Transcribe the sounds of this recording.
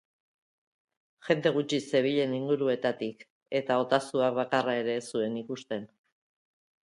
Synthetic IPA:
ʝe̞nd̪e̞ɣ̞ut͡ʃise̞β̞iʎe̞niŋɡuɾue̞t̪at̪ik | e̞t̪ao̞t̪asuakβakarae̞ɾe̞sue̞nikust̪e̞n

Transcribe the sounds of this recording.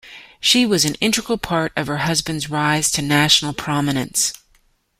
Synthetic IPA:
ʃiwʌzɨ̃nɪ̃nt͡ʃɹ̥ɨkl̩ˠpʰɑɹɾʌv̥ə˞ɦʌzbɨ̃ndzɹaɪz̥tʰɨnæʃn̩l̩ˠpʰɹ̥ɑmɨnɨ̰̃nts

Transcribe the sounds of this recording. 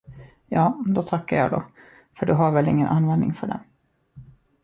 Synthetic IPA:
jɑːd̪ɔt̪ʰakːaɾjɑ̰ːɡd̪ɔ̰ | fœɖɵɦaɾvɛlɪŋːənʔanvɛnd̪nɪ̰ŋfœɖɛ̰n

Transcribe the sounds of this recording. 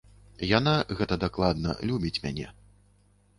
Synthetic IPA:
janaɣɛt̪ɐd̪aklˠad̪nɐ̰lʲubʲit͡sʲmʲa̰nʲɛ̰

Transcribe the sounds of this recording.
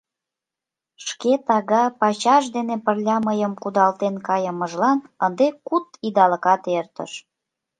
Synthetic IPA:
ʃket̪ɑɣɑpɑt͡ɕɑʃd̪enepərlʲɑməjəmkud̪ɑlt̪enkɑjəməʒlɑnənd̪ekut̪id̪ɑlə̆kɑt̪ert̪ə̰ʃ

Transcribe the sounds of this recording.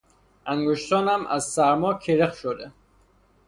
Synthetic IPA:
æŋɡoʃt̪ɒːnæmʔæ̰zsæɾmɒːkʰeɾeχʃod̪e

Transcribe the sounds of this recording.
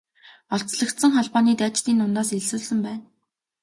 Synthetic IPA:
ɔɬt͡sɮə̆kt̪sə̆ŋχɔɮpɔːniːt̪æːt͡ɕt̪iːnːʊnt̪aːseɮsuːɮsɘ̆mpæːn

